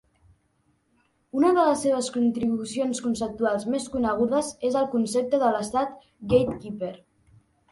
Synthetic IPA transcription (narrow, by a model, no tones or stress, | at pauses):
unəðələsːeβ̞əskunt̪ɾiβusionskunsəp̚t̪ualˠzmeskunəɣ̞uðəzezəlˠkunsep̚t̪əðələst̪at̪ | ɡejt̪kipeɾ